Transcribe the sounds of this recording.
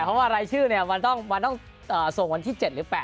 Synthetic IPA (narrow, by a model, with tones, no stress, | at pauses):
pʰɔ˦˥waː˥˩ɾa˧jt͡ɕʰɯː˥˩ni˥˩ɐma˧nt̪ɔ˥˩ŋma˧nt̪ɔ˥˩ŋ | ʔɤː˨˩so˨˩ŋwa˧nt̪ʰiː˥˩t͡ɕe˨˩t̪̚ɾɯː˩˦pɛː˨˩